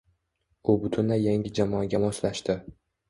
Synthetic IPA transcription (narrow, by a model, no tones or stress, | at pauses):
ʊbʊt̪ʰʊnlajaŋɡʲɪd͡ʒamɒɡʲamɒʃlaʃt̪ɪ